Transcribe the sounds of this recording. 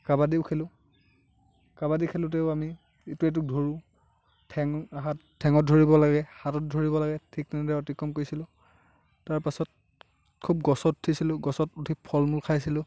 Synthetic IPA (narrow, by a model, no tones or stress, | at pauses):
kabadiʊkʰelʊ | kabadikʰelʊ̃t̬eʊami | etuet̬uk̚dʱoɹũ | tʰɛŋɦatʰːɛŋɔt̚dʱoɹibɔlaɡɛhatɔt̚dʱoɹiβɔlaɡɛtʰik̚nɛnɛdɛɔtikːɔmkoɹjsilʊ̃ | taɹpasɔt̚ | kʰub̚ɡɔsɔtʰisilʊɡɔsɔtutʰipʰɔlmulkʰajsilʊ